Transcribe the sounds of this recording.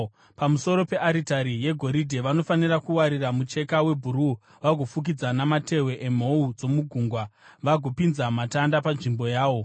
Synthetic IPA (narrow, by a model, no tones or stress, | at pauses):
pamuso̞ɾo̞pe̞ʔaɾitaɾije̞ɡʱo̞ɾidʱeʋano̞fanirakuwaɾiramut͡ʃe̞kawe̞bʱuɾu | ʋaɡʱofuk̬id͡zanamate̞we̞ʔem̤o̞ud͡zo̞muɡʱuːŋɡwaʋaɡʱo̞pinzamatandapanʐimbo̞jaːʋo̞